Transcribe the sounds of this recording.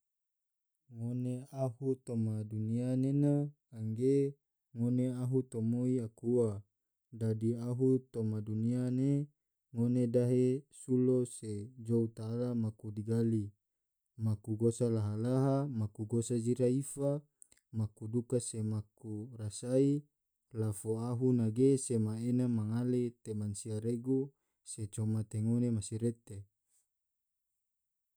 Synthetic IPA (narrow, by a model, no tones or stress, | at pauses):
ŋoneahut̪omadunianenaː | ŋɡe | ŋoneaɦut̪omoiakuwa | dadiaɦut̪omaduniane | ŋonedaɦesulosed͡ʒout̪aːlamakudiɡali | makuɡosalaɦalaɦamakuɡosad͡ʒiɾaifa | makudukasemakurasai | lafoaɦunaɡesemaenamaŋalet̪emansiaɾeɡu | set͡ʃomat̪eŋonemasiɾet̪e